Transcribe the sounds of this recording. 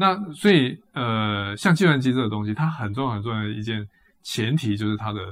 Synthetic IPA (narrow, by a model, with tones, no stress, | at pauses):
na˥˨swɔ˧˦˥i˨˩ | ə˧ɕjɑ˥˧ŋt͡ɕi˥˧wa˥nt͡ɕi˥t͡s̩˥˩d̪ə˩t̪ʊ˥ŋɕ̬i˧t̪ʰa˥xə˨˩nt͡so˥ŋ˧˥˩xə˨˩t͡so˥˧˥d̪ḭ˧t͡ɕjɛ˥˩n | t͡ɕʰjɛ˧˦˥nt̪ʰi˨˩t͡ɕjo˥˧ʊʂɻ̩˥˩t̪ʰa˥d̪ə˨